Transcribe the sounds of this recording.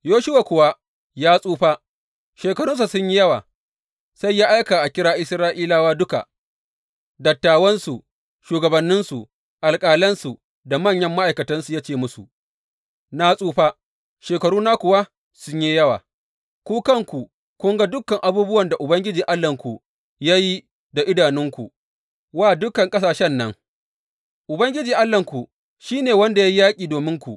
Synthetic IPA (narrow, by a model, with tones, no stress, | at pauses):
joː˦ʃʊ˦waː˨kʷʊ˨wa˦ | jaː˦sʼuː˦ɸa˦ | ʃeː˨kɐ˨ɾʊ˦ns̬a˨sʊ˦ɲji˦jɐ˦waː˨ | sa˦jːaː˦ʔa˦jkaː˨ʔa˨kʲɪ˦ɾaː˦ʔɪ˦sɾaː˦ʔiː˦laː˦waː˦dʊ˦ka̰˨ | dɐ˨tːaː˨wɐ˦nsu˨ | ʃuː˨ɡɐ˨bɐ˨nːɪ˦nsu˨ | ʔa˨lkʼaː˨lɐ˦nsu˨ | da˨mɐ˦˨ɲjɐ˦mːa˦ʔa˨jkɐ˨tɐ˦nsu˨ja˦t͡ʃeː˨mʊ˦sṵ˨ | naː˨sʼuː˦ɸaː˦ | ʃeː˨kɐ˨ɽuː˦naː˦kʷʊ˨wa˦ | sʊ˦ɲjeː˦jɐ˦wa̰ː˨ | kʷuː˦kɐ˦ŋkʷu˨ | kʷʊ˦ŋɡa˦dʊ˦kːɐ˨ŋʔa˨buː˦bʊ˦wɐ˨nda˨ʔʊ˨bɐ˦ŋɡʲɪ˦d͡ʒiː˨ʔa˦lːɐ˨ŋkʷu˨ | ja˦ji˦ | da˨ʔɪ˦daː˨nɪ˦ŋkʷṵ˨ | waː˦˨dʊ˦kːɐ˨ŋkʼɐ˦s̬aː˨ʃɛ˦nːɐ˦ŋ | ʔʊ˨bɐ˦ŋɡʲɪ˦d͡ʒiː˨ʔa˦lːɐ˨ŋkʷu˨ | ʃiː˦neː˨wɐ˦nda˨ja˦ji˦jaː˦kʲʼiː˨doː˨mɪ˦ŋkʷu˨ʔ